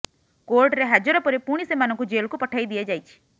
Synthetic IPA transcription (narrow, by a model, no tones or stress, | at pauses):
koɾʈɾeɦad͡ʒɔɾɔpɔɾepuɽ̃isemanɔ̃ŋkud͡ʒelkupɔʈʰaid̪iad͡ʒajt͡ʃʰi̥